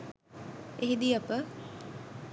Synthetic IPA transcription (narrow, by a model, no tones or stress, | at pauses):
eɦid̪iɐpə